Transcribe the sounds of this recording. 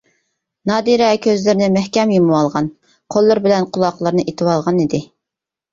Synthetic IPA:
nɑːd̪iɾɛkʲʰøzlɪɾnɪmɛhkʲɛmjimɨwɑlˠʁɑn | qʰolˠːɨɾbɪlɛnqʰʊlˠɑqlˠəɾnɨʔit̪ʰɨwɑlˠʁɑnid̪ɪ

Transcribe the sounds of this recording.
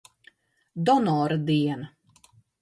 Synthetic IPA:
d̪ɔnɔːɾad̪iɛnɐ

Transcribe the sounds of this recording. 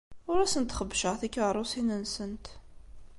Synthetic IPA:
ʊɾæsənt̪χəbːʃəʁθikːəɾˤʊsinənsənt̪

